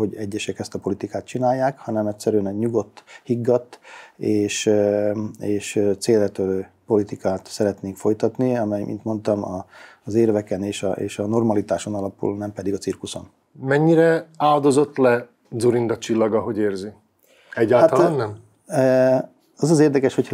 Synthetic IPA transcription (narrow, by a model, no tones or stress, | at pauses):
ho̞ɟɛɟːɛʃɛkɛst̪ɒpo̞lit̪ikaːt̪̚t͡ʃinaːjːaːkhɒnɛmɛtsɛɾyɛnɛɲuɡo̞t̪ːhiɡːɒt̪ːeːʃ | eːʃøt̪seːlɛt̪øløːpo̞lit̪ikaːt̪sɛɾɛt̪neːŋkfo̞jt̪ɒt̪niɒmɛjmʔḭnt̪mo̞nt̪ɒmɒzeːrvɛkɛneːʃɒ̰ḛːʃɒno̞rmɒlit̪aːʃo̞nɒlɒpṵlnɛmpɛd̪iɡɒtt͡sirkuso̞n | mɛɲːiɾɛaːld̪o̞zo̞t̪ːlɛ | d̪zuɾind̪ɒt͡ʃilːɒɡɒɦo̞ɟeːrzi | ɛɟːaːlat̪lannɛm | ɒzɒzeːrd̪ɛkɛʃhocʰ